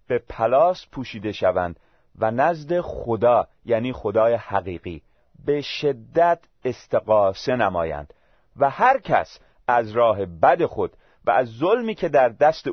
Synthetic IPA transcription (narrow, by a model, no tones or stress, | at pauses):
b̥e̞pʰælɒːspʰuːʃiːd̪e̞ʃævæ̰nd̪̥ | vænæzd̪e̞xod̪ɒːjæːniːxo̞d̪ɒːjehæɣiːɣiː | be̞ʃe̞d̪ːæt̪ʰ | e̞st̪e̞ɣɒːse̞næmɒ̰ːjæ̰nd̪̥ | væhæɾcʰæ̰s | æzɾɒːɦe̞bæd̪e̞xo̞d̪̥ | væ̰æzːolmiːcʰe̞d̪æɾd̪æst̪e